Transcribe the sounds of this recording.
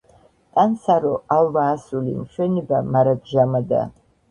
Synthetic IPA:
t̪ʼansaɾɔalvaːsulḭmʃɛnibamaɾaɡʒamad̪a̰

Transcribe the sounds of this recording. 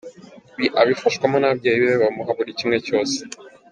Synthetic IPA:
βiʔaβifaʃɡwamanab̚ɟajiβeβeβamuɦaβuɾicimŋe̞co̞ːse̥

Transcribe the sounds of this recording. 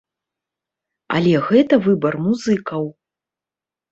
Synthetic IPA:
ɐ̰lʲɛɣɛt̪ɐvɨbɐrmuzɨkɐw

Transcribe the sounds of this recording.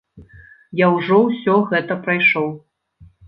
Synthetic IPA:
jawʐɔwsʲɔɣɛt̪ɐpɾajʂɔw

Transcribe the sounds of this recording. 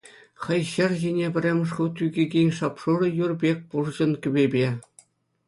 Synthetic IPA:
χɤ̆jɕɘ̆rʑenʲebʲɘ̆rʲemʲɘ̆ʂ̬χut̪ʲyɡʲeɡʲenʲʂɑpʂuɾɤ̆jurbʲek̚ʲpurd͡ʑɤ̆nkʲybʲebʲe

